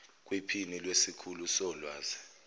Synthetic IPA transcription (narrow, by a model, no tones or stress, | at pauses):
k̬ʼwipʰinilwesikʰulusɔlwaːzɛ